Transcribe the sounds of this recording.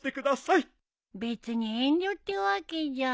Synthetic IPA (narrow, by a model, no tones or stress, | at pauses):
t̪e̞kɯ̟d̪asai | be̞t͡sɨɲiẽɲdʲot̪ʲːeβaked͡ʑa